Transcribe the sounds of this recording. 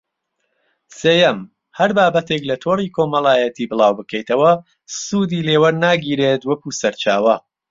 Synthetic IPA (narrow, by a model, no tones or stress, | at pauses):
seːjɐm | hɐɾbaːbɐt̪e̞klɐt̪ʰoːriːkʰomɐlaːjɐt̪ʰiːbɨlˠaːwbɨkʰɛjt̪ʰɐwɐ | suːd̪iːleːwɐɾnaːɡiːɾeːt̪wɐkusɐɾt͡ʃaːwɐ